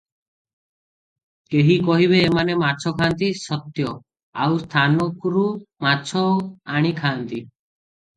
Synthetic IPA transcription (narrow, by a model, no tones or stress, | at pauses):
keɦikɔɦiβeːmanemaɾt͡ʃʰɔkʰant̪isɔt̪jɔ | awst̪ʰanɔkɾumat͡ʃʰɔaɽ̃ikʰaːnt̪i